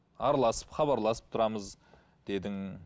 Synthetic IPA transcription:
ɑɾɑlˠɑsə̥pχɑβɑɾlˠɑsəp̚t̪ʰʊɾɑməz | d̪̥e̞d̪ɪŋ

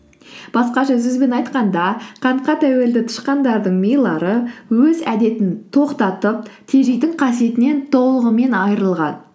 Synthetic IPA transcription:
b̥ɑsqɑʒɵzɡɪzbe̞nɑjt̪qɑnd̪ɑqʰɑɴqɑt̪ʰæwe̞ld̪ɪt̪ʰʊ̥ʃqɑnd̪ɑɾd̪əɴmʲejlˠɑɾəwɵzæd̪e̞t̪ɪnt̪ʰo̞qt̪ɑt̪əp̚t̪ʰe̞ʒejd̪ɪɴqʰɑsije̞t̪ɪne̞nt̪ʰo̞lˠəʁəme̞nɑjəɾəlˠʁɑ̰n

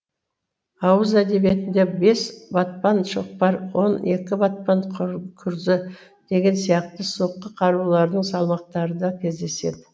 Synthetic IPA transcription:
ɑwəzæd̪e̞bije̞t̪ɪnd̪e̞be̞sbɑt̪̚pɑnʃoq̚pɑɾwo̞ne̞kʲɪbɑt̪̚pɑnkʲʰʊɾzɪ | d̪̥e̞ɡʲe̞nsijɑq̚t̪əsoqːəqʰɑɾulˠɑɾd̪əɴsɑlˠmɑq̚t̪ɑɾəd̪ɑkʲʰe̞zd̪e̞se̞̰d̪ɪ

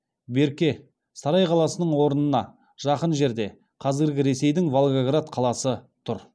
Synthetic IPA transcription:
be̞ɾkʲe̞ | sɑɾɑjqʰɑlˠɑsənəɴwo̞ɾənənɑ | ʒ̥ɑqənʒe̞ɾd̪e̞ | qʰɑzɪɾɡʲɪɾe̞se̞jd̪ɪŋvolˠɡaɡɾat̪qʰɑlˠɑsət̪ʰʊɾ

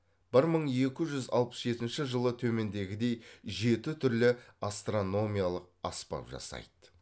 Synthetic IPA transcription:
b̥ɪɾməɴe̞kʲɪʒʏzɑ̰lˠpə̥sʒe̞t̪ɪnʃɪʒəlˠət̪ʰɵme̞nd̪e̞ɡʲɪd̪e̞jʒe̞t̪ɪt̪ʰʏɾlɪast̪ro̞no̞mʲijalˠəq̚ɑ̰spɑ̰pʒɑ̰sɑ̰jd̪̥ə

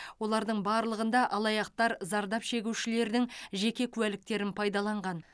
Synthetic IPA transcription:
wo̞lˠɑɾd̪əɴbɑːɾlˠəʁənd̪ɑʔɑlˠɑjɑq̚t̪ɑɾzɑɾd̪ɑpʃe̞ɡʲuwʃɪle̞ɾd̪ɪŋʒe̞kʲe̞kʲʰʉælɪk̚t̪e̞ɾɪnpʰɑjd̪ɑlˠɑɴʁɑn

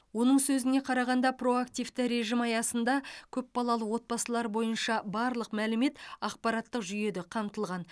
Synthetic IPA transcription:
wo̞nəɴsɵzɪne̞qʰɑɾɑʁɑnd̪ɑpro̞ak̚t̪ijvt̪ɪɾe̞ʒɪmɑjɑsənd̪ɑkʲʰɵpːɑlˠɑlˠəwo̞t̪̚bɑsəlˠɑɾbo̞jənʃɑbɑɾlˠəqmælɪme̞t̪ɑqpɑɾɑt̪ːəqʒʏje̞d̪ɪqʰɑmt̪əlˠʁɑn

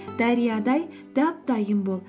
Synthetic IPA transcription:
d̪̥ɑɾijɑd̪ɑj | d̪̥ɑp̚d̪̥ɑjəmbolˠ

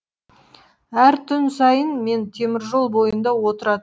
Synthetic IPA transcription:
æɾt̪ʰʏnsɑjənme̞nt̪ʰe̞mɪɾʒo̞lˠbo̞jənd̪ɑwo̞t̪əɾɑd̪ə

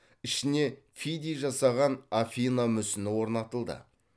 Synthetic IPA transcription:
ɪʃɪne̞fid̪ʲijʒɑsɑʁɑnafʲijnamʏsɪnɪwo̞ɾnɑt̪əlˠd̪ə̰

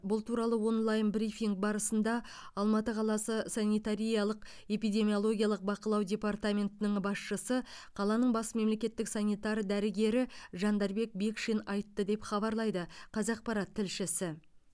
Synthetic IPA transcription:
bʊlˠt̪ʰuɾɑlˠəwo̞nlˠɑjnbrifiŋɡ̚bɑɾəsənd̪ɑ | ɑlˠmɑt̪əqʰɑlˠɑsəsɑnʲijt̪aɾʲijɑlˠəq | e̞pijdʲe̞mio̞lˠo̞ɡʲijɑlˠəq̚bɑqəlˠɑwdʲe̞pɑrt̪amʲe̞nt̪ɪnɪɴbɑsʃəsəqʰɑlˠɑnəɴbɑsme̞mle̞kʲe̞t̪ːɪksɑnʲijt̪ɑɾd̪æɾɪɡʲe̞ɾɪʒɑnd̪ɑɾbe̞k̚be̞kʃenɑjt̪ːəd̪e̞pχɑbɑɾlˠɑjd̪əqʰɑzɑq̚pɑɾɑt̪ʰːɪlʃɪsɪ

